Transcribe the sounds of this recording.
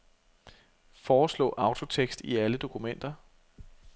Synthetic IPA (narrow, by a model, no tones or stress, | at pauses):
fɒːslɔ̰̽ːʔɑ̈ʊt͡sʰo̝t͡sʰeɡ̥sd̥iæləd̥o̝kʰumen̰d̥ɐ